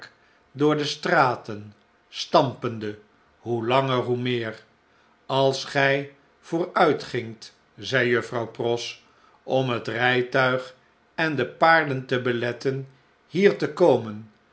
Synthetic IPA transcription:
k | dʊːɹdəstraːtən | stɑmpəndə | ɦulɑŋəɹɦumɪːɹ | ɑlˠsχɛj | v̥ʊːɹœɥtχɪŋt | zɛjjɵfrɑwprɔs | ʔɔmɦətrɛjtœɥχ | ɛndəpaːɹdəntəbəlɛtən | hiːɹtəkowmən

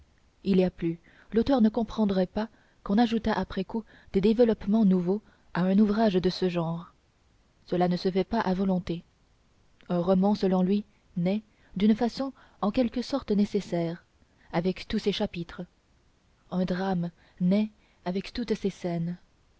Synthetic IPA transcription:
iliaply | lot̪œʁnəkɔ̃pχɑ̃d̪ʁɛpa | kɔ̃naʒut̪aʔapχɛku | d̪̥ed̪evəlɔpmɑ̃nuvo | aɛ̃nuvʁaʒd̪əsəʒɑ̃ːʁ | səlanəsəfɛpaʔavɔlɔ̃t̪e | ɛ̃ʁɔmɑ̃səlɔ̃lɥi | nɛ | d̪ynfasɔ̃ | ɑ̃kʲɛlkəsɔʁt̪nesesɛːʁ | avɛkt̪useʃapit̪χə | ɛ̃d̪ʁam | nɛ | avɛkt̪ut̪sesɛːn

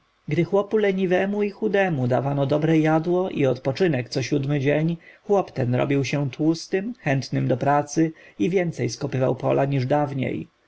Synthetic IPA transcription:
ɡd̪ɘxwɔpulɛɲivɛmuixud̪ɛmud̪avanɔd̪ɔbɾɛjad̪wɔʔḭɔt̪pɔt͡ʂɘnɛkt̪sɔɕud̪mɘd͡ʑeɲxwɔpt̪ɛnɾɔ̰bʲiwɕɛ̃t̪wust̪ɘmxɛnt̪nɘmd̪ɔpɾat̪sɘivʲjɛnt̪sɛjskɔpɘva̰wpɔ̰lʔaɲiʐd̪avɲḛj

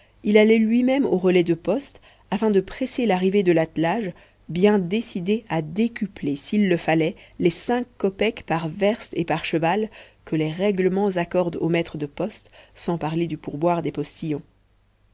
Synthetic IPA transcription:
ilalɛlɥimɛmoʁəlɛd̪əpɔst̪ | afɛ̃d̪əpχɛselaʁived̪əlat̪laʒ | bjɛ̃d̪esid̪ead̪ekʲyplesilːəfalɛlesɛ̃kːɔpɛkpaʁvɛʁst̪epaʁʃəvalkəleʁɛɡləmɑ̃zakɔʁd̪o̰mɛt̪χəd̪əpɔst̪sɑ̃paʁled̪ypuʁbwaʁd̪epɔst̪ijɔ̃

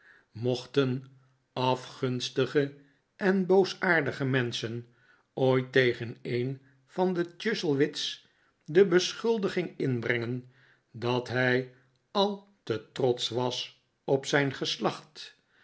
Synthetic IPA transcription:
mɔχtən | ɑfχɵnstəχə | ʔɛnbowsaːɹdəχəmɛnsən | oːjtejχənejn | fɑndət͡ʃʏsəlˠʋɪts | dəbəsχʏlˠdəχɪŋɪnbrɛŋən | dɑtɦɛj | ɑlˠ | tətrɔtsʋɑs | ɔpsɛjnχəslɑχt

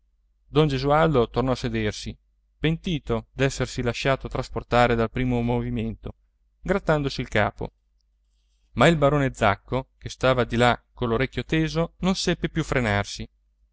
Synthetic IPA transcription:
d̪ɔnd͡ʒezuald̪ot̪ornɔased̪ersi | pent̪iːt̪od̪ɛsːersilaʃaːt̪ot̪ɾasport̪aːɾed̪alpɾiːmomoviment̪o | ɡɾat̪ːand̪osiːlka̰ːpo̰ | mailbaɾoːned̪zakːokest̪aːvad̪ilakoloɾekʲːjot̪eːzononsɛpːepjufɾenarsi

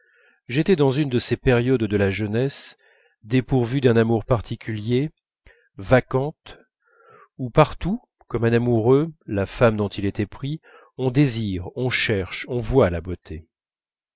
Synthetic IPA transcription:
ʒet̪ɛd̪ɑ̃zynd̪əsepɛʁjɔd̪d̪əlaʒənɛs | d̪epuʁvyd̪ɛ̃namuʁpaʁt̪ikʲylje | vakɑ̃t̪ | upaʁt̪u | kɔmɛ̃namuʁølafamd̪ɔ̃t̪ilet̪ɛpχi | ɔ̃d̪eziʁɔ̃ʃɛʁʃɔ̃vwalabot̪ʰe

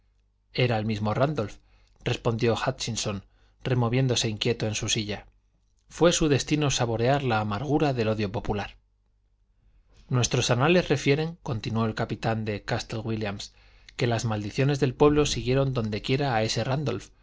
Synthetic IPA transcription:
e̞ɾaelmizmo̞rand̪o̞lf | dre̞spo̞nd̪jo̞xat͡ʃinso̞n | re̞mo̞βje̞nd̪o̞se̞iŋkje̞t̪o̞e̞nsusiʝa | fwe̞suðe̞st̪ino̞saβ̞o̞ɾe̞aɾlaːmaɾɣ̞uɾaðe̞lo̞ðjo̞po̞pulaɾ | nwe̞st̪ɾo̞sanale̞zre̞fje̞ɾe̞ŋko̞nt̪inwo̞elkapit̪and̪e̞kast̪elɣwiljams | ke̞lazmald̪iθjo̞ne̞zðe̞lpwe̞βlo̞siɣje̞ɾo̞nd̪o̞nd̪e̞kje̞ɾaːe̞se̞rand̪o̞̰lf

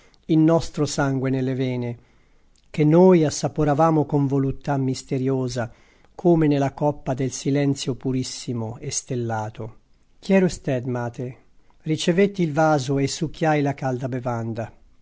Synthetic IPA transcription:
ilnɔst̪ɾosaŋɡwenelːevɛːne | k̟enːoːjasːapoɾavaːmokoɱvolut̪ːamːist̪eɾjoːza | kʰoːmenelakɔpːad̪elsilɛnt̪sjopuɾisːimoest̪elːaːt̪o | k̟jɛːɾost̪ɛd̪maːt̪e | rit͡ʃevet̪ːilvaːzoesːuk̟ːjajlakald̪abevand̪a

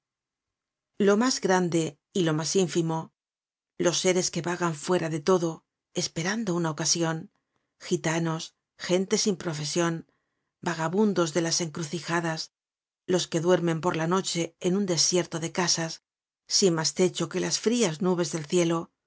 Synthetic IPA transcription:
lo̞mazɣɾand̪e̞ | ilo̞masiɱfimo̞ | lo̞sːe̞ɾe̞ske̞βaɣaɱfwe̞ɾaðe̞t̪o̞ðo | e̞spe̞ɾand̪o̞unaokasjo̞n | xit̪ano̞s | xe̞nt̪e̞simpɾo̞fe̞sjo̞n | baɣaβund̪o̞zðe̞lase̞ŋkɾuθixaðas | lo̞ske̞ðwe̞ɾmẽ̞mpo̞ɾlano̞t͡ʃe̞ːnund̪e̞sje̞ɾt̪o̞ðe̞kasasː | imast̪e̞t͡ʃo̞ke̞lasfɾiaznuβ̞e̞zðe̞lθje̞lo̞

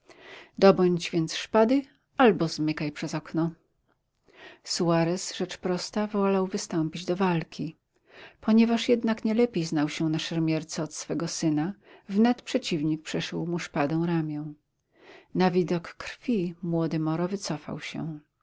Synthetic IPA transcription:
d̪ɔbɔɲd͡ʑvʲjɛnt̪sʂpad̪ɘ | albɔzmɘkajpʂɛzɔknɔ | suaɾɛsʐɛt͡ʂpɾɔst̪avɔlawvɘst̪ɔmpʲid͡ʑd̪ɔvalkʲi | pɔɲɛvaʂjɛd̪nakɲɛlɛpʲjejznawɕɛnaʂɛɾmʲjɛɾt̪sɛɔt̪sfɛɡɔsɘnavnɛt̪pʂɛt͡ɕivɲik̚pʂɛʂuwmuʂpad̪ɔ̃w̃ɾamʲjɔ̃w̃ | navʲid̪ɔkːɾ̥fʲimwɔd̪ɘmɔɾɔvɘt̪sɔfa̰wɕɛ̰

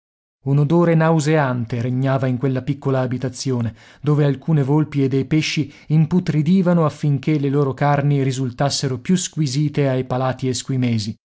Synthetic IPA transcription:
unod̪oːɾenawzeant̪eɾeɲːaːvaiŋkwelːapikːolaːbit̪at̪sːjoːne | d̪oːvealkuːnevolpied̪ːejpeʃːi | imput̪ɾid̪iːvanoafːiŋk̟elːeloːɾokarniɾizult̪asːeɾopjuskwiziːt̪eajpalaːt̪ieskwimeːzi

